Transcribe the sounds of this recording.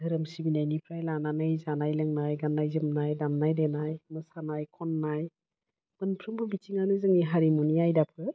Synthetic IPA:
hɯɾɯmsibinajnipʰɾajlananɯjzanajlɯŋnajɡanːajzɯmnajdamnajdenajmɯsanajkʰɔnːaj | m̥ɯnpʰɾɯmbɯbitʰiŋanɯzɯŋiɦaɾimuniajdapʰɯ

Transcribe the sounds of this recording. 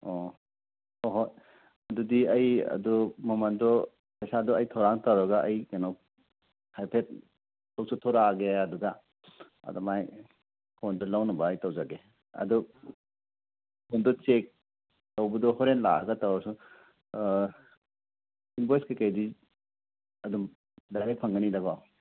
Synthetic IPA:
ɔ | ɔɦɔ | ɐdudiɐjɐ̰dɔmɔmandɔ | pɐjsadɔɐjtʰawɾaŋtaɾɔɡaʔajɡanaw | hajpʰet̚ | tɔwsʰɔtʰɔɾaɡeaduɡa | ɐ̰dɔmaj | pʰɔndɔlawnɐbaːjtawzaɡe | ɐ̰dɔ | pʰondɔt͡ʃek̚ | tawbɐdɔhɔɾenla̰a̰ɡɐtawasu | inbɔjskekajdi | ɐdum | dajɾapʰɐŋɡanidaɡɔ

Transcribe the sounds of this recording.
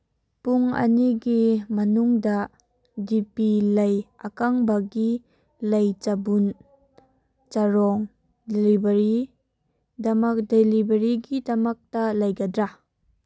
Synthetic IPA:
puŋɐ̰niɡimɐnuŋdɐ | dipilɐjɐkaŋbɐɡi | lɐjt͡ʃabun | t͡ʃaɾɔŋ | delibɐɾi | dɐmɐk̚delibɐɾiɡidɐmɐk̚tɐlɐjɡɐdɾa

